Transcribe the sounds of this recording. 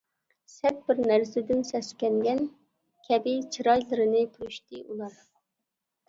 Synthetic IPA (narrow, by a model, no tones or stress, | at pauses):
sɛt̪̚bɪɾnæɾsɪd̪ɪnsɛskʲɛnɡʲɛn | kʲʰɛbɪt͡ʃʰiɾɑjlˠɨɾɨnɨpʰyɾyʃt̪ɪʔulˠɑɾ